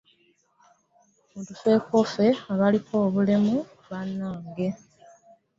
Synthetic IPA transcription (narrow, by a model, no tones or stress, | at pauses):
muntufe̞kofe̞aβalikʰo̞ːβule̞mu | βanːaːŋɡe̞